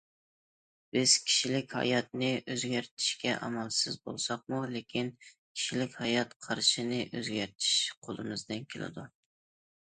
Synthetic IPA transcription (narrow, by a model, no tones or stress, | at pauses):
b̥ɪz̥kʲʰi̥ʃilɪkʲhɑ̰jɑt̪̚nɪʔøzɡʲæɾt̪ʰɪ̥ʃkʲɛʔɑmɑlˠsɪzbo̰lˠsɑq̚mulekʲʰin | kʲʰi̥ʃilɪkʲhɑjɑt̪qʰɑɾʃinɪʔøzɡʲæɾt̪ʰɪ̥ʃqʰolˠɨmɪzd̪ɪnkʲʰelɪ̰d̪u